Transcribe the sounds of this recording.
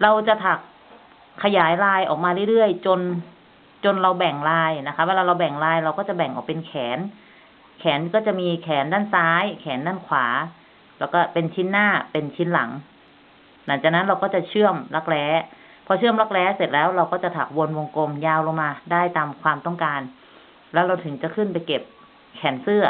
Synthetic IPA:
ɾa˧wt͡ɕa˨˩t̪ʰa˨˩k̚ʰː | a˧jaː˨˩˦jlaː˧jʔɔ̰ː˨˩k̚maː˧ɾɯ˥˩˨jɾɯ˥˩əjt͡ɕo˧n | t͡ɕo˧nɾa˧wbɛ˨˩ŋlaː˧jna˦˥kʰa˦˥ʔwɛː˧laː˧ɾa˧wbɛ˨˩ŋlaː˧jɾa˧wkɔː˥˩t͡ɕa˨˩bɛ˨˩ŋʔɔː˨˩k̚pe˧nkʰɛː˩˦n | kʰɛː˩˦nkɔː˥˩t͡ɕa˨˩ʔmiː˧kʰɛː˩˦ndaː˥˩nsaː˦˥jkʰɛː˩˦ndaː˥˩nkʰwaː˩˦ | lɛː˦˥wkɔː˥˩pe˧nt͡ɕʰi˦˥nːaː˥˩pe˧nt͡ɕʰi˦˥nla˨˩˦ŋ | na˩˦ŋt͡ɕaː˨˩kna˦˥nɾa˧wkɔː˥˩t͡ɕa˨˩t͡ɕʰɯ˥˩əmla˦˧˥k̚lɛː˦˥ | pʰɔː˧˥t͡ɕʰɯ˥˩əmla˧˥k̚lɛː˦˥se˨˩t̪̚lɛː˦˥wɾa˧wkɔː˥˩t͡ɕa˨˩t̪ʰaː˨˩wo˧nwo˧ŋko˧mjaː˧wlo˧maː˧daː˥˩jt̪aː˧mkʰwaː˧mt̪ɔ˥˩ŋkaː˧n | lɛː˦˥wɾa˧wt̪ʰɯ˨˩˦ŋt͡ɕa˨˩kʰɯ˥˩npa˧jke˨˩p̚ | kʰɛː˩˦nsɯ˥˩ɐ

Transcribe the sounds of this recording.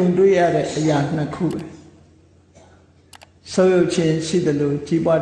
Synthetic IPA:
ʊ̃ntwḛ˦˨ja̰˦˨ɾɛ̰˦˨ʔəja˨n̥ə˨kʰṵ˦˨bɛ˨ | sõ˦jo˦ʊʔt͡ɕʰɪ̃˦ʃḭ˦˨d̪ə˨lo˨t͡ɕi˦bwa˦

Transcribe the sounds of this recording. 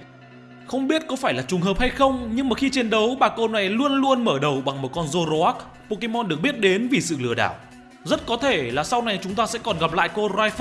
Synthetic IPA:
xə˧wŋ͡mɓi˦˥ət̚kɔ˨˦faː˧˩jlaː˨˩t͡ɕʊ˨˩ŋ͡mɦəː˨˩p̚ha˧jxə˧wŋ͡mɲɨ˧ŋmaː˨˩xi˧t͡ɕe˧nɗə˨˦wɓaː˨˩ko˧na˨˩jlu˧ənlu˧ənməː˧˩ɗə˨˩wɓa˨˩ŋmo˨˩t̚kɔ˧nzo˧zo˧ʔa˦˥k̚ | po˧ki˧mɔ˧nɗɨ˨˩ək̚ɓi˦˥ət̚ɗe˨˦nvi˨˩sɨ̰˧˨lɨ˧˩əɗa̰ː˧˩˨w | zə˦˥t̚kɔ˨˦t̪ʰe˧˩laː˨˩sa˧wna˨˩jt͡ɕʊ˨˦ŋ͡mt̪aː˧sɛ̰˧˥kɔ˨˩nɣa˨˩p̚la̰ː˧˨jko˧zaː˧jf̚

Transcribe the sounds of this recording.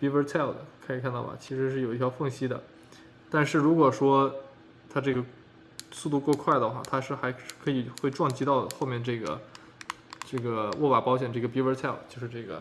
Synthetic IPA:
pi˥wə˧˥t̪ʰɛ˥˩lˠd̪ə̰˨˩kʰa˧˥i˨˩kʰa˥˧nt̪ɑ˥˩ʊbɐ̰˨˩t͡ɕʰi˧˥ʂɻ̩˧˥ʂ̬ɻ̩˥˩jo˨˩ʊi˥t̪ʰjɑ˧˥fɤ˥˩ŋɕi˥d̪ə̰˨ | t̪a˥˧nʂɻ̩˥˩ɻu˧˥kwɔ˨˩ʂwɔ˥ | t̪ʰa˥ʈ͡ʂɤ˥˩ɡə˩ | su˥˧t̪u˥˧kwɔ˥˧ʊkʰwa˥˩ɪd̪ə˩xwa̰˥˩t̪ʰa˥ʂɻ̩˥˩xa˧˥ɪ˥˩kʰɤ˧˥i˨˩xwe˥˧ɪʈ͡ʂwɑ˥˩ŋt͡ɕi˥t̪ɑ˥˧ʊxo˥˧ʊmjɛ˥˧nʈ͡ʂɤ˥˩ɡə̰˩ | ʈ͡ʂɤ˥˩ɡə˩wɔ˥˩wa˨˩pɑ˥ɕjɛ˨˩nʈ͡ʂɤ˥˩ɡə˩pi˥wə˧˥t̪ʰɛ˥˩lˠt͡ɕjo˥˧ʊʂɻ̩˥˧ʈ͡ʂɤ˥˩ɡə̰˩

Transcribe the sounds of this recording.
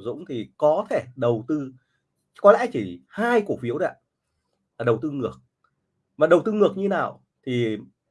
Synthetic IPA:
zʊ̰˧˥ŋ͡mt̪ʰi˨˩kɔ˨˦t̪ʰe˧˩ɗə˨˩wt̪ɨ˧ | kɔ˨˦lɛ̰˧˥t͡ɕi˧˩haː˧jku˨˩ək̚fi˨˦əwɗa̰˧˥˦ | laː˨˩ɗə˨˩wt̪ɨ˧ŋɨ˨˩ək̚ | vaː˨˩ɗə˨˩wt̪ɨ˧ŋɨ˨˩ək̚ɲɨ˧naː˨˩w | t̪ʰi˨˩

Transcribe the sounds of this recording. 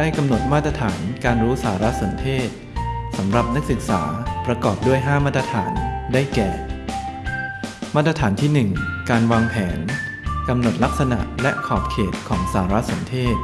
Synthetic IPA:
daː˥˩jka˧mno˨˩t̪̚maː˥˩t̪̚ɾa˧t̪ʰaː˩˦nkaː˧nɾuː˦˥saː˩˦ɾa˦˥ʔso˩˦nt̪ʰeː˥˩t̪̚sa˩˦mɾa˨˩p̚na˦˥k̚sɯ˨˩k̚sa̰ː˩˦pɾa˧kɔː˨˩p̚du˥˩əjɦaː˥˩maː˥˩t̪ɾa˧t̪ʰaː˩˦ndaː˥˩jkɛː˨˩ | maː˥˩t̪̚ːɾa˧t̪ʰaː˩˦nt̪ʰiː˥˩nɯ˨˩ŋkaː˧nwaː˧ŋpʰɛː˩˦n | ka˧mno˨˩t̪̚la˦˥k̚sa˧na̰˨˩ʔlɛ˦˥ʔkʰɔː˨˩p̚kʰeː˨˩t̪̚kʰɔː˩˦ŋsaː˩˦ɾa˦˥ʔso˩˦nt̪ʰeː˥˩t̪̚

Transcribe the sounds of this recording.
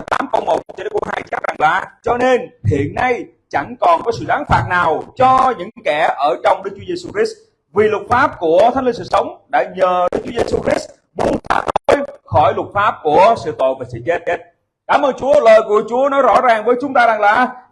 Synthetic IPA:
t̪a̰ː˨˦mkə˧wŋ͡mmo˨˩t̚t͡ɕn˦kːɦa̰ː˧jt͡ɕaː˦˥za˨˩ŋlaː˨˩t͡ɕɔ˧ne˧nhḭ˧˨ənːa˧j | t͡ɕa˧˩ŋkɔ˨˩nkɔ˨˦sɨ̰˧˨ɗaː˨˦nfaː˨˩t̚naː˨˩wt͡ɕɔ˧ɲɨ̰˧˥kɛ˧˩ʔəː˧˩t͡ɕɔ˧wŋ͡mɗɨ˦˥k̚t͡ɕu˦e˧su˧ki˦˥s | vi˨˩lʊ˨˩t̚faː˦˥p̚ku˧˩ət̪ʰŋli˧nsɨ̰˧˨sə˨˦wŋ͡mɗa̰ː˧˥ɲəː˨˩ɗɨ˦˥k̚t͡ɕu˨˦e˧su˧xɾi˦˥s | mu˨˦ənfa̰ː˨˦˥t̚o˧jxɔ˧˩jlʊ˨˩t̚faː˦˥p̚ku˧˩əsɨ̰˧˨t̪o̰˧˨jvaː˨˩sɨ̰˧˨zɛ˧˦˥te˦˥t̚ | kaː˧˩mʔəː˧nt͡ɕu˨˦ələː˨˩jku˧˩ət͡ɕu˨˦ənɔ˨˦jzɔ̰˧˥zaː˨˩ŋvəː˨˦jt͡ɕʊ˨˦ŋ͡mt̪aː˧za˨˩ŋlaː˨˩

